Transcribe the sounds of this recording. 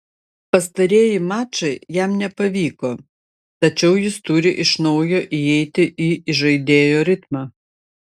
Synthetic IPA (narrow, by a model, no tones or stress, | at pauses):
pɐst̪ɐɾʲeːjɪmɑːt͡ʃɐɪjɛmnʲɛpɐʋʲiːkoː | t̪ɐt͡ʃʲɛʊjɪst̪ʊɾʲɪʔɪʃnɐʊjoːʔiɛɪt̪ʲɪʔiːɪʒɐɪd̪ʲeːjoːɾʲɪt̪mɑː